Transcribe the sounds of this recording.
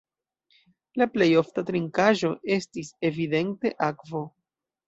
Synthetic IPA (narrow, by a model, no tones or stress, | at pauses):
laple̞jo̞ftatɾiŋkaʒo̞ʔe̞stise̞vide̞nte̞ʔakvo̞